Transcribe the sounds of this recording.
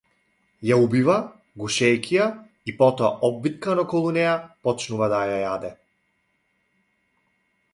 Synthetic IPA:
jaubiva | ɡuʃɛjkʲʰija | ipɔt̪ɔaʔɔbbit̪̚kanɔkɔlˠunɛjapɔt͡ʃnuvad̪ajajad̪ɛ

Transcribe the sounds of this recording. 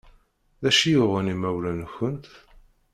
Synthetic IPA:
ðæʃijʊʁənimæwlænçənt̪

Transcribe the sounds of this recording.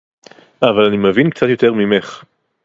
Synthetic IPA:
avalanimevinkt͡sat̪jo̞t̪eʁmimeχ

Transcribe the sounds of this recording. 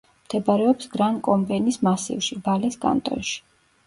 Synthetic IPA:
md̪̥ʰɛbaɾɛɔpsɡɾankʼɔmbɛnismasḭvʃibalisɡʼa̰nt̪ʼɔ̰nʃi̥

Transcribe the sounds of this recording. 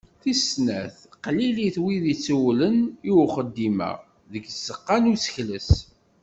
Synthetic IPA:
θisnæθqliliθwiðit͡sːuwləniwχəd̪ːimæ̰ | ðəɡsəqːɑnut͡sːçləs

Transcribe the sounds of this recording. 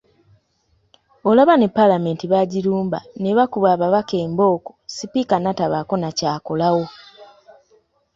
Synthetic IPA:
o̞laβanepːalame̞ːntiβaɟiɾuːmba̰neβakuβaβaβake̞ːmbo̞ːko̥sipikanataβako̞nacaːko̞lawo̞

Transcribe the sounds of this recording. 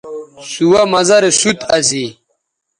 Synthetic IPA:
suwamɐzɐɾesut̪ɐsi

